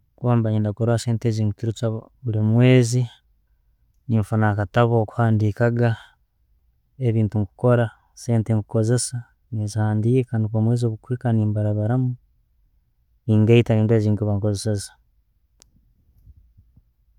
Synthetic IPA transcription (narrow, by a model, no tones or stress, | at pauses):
kwaːmbaɲindakoɾaseːnteziːŋɡukiɾut͡ʃaβulimwe̞ːzi | niɱfunakataβoːku̥haːndiːkaɡa | eβiːntuŋku̥ko̞ɾa | se̞ːnteŋkuko̞ze̞sa | nizihaːndiːkekaːndikoːmwe̞ːzio̞βukuikaniːmbaɾaβaɾamu | niːŋɡaitaiːntue̞ːziːŋkuβaŋko̞zesezḁ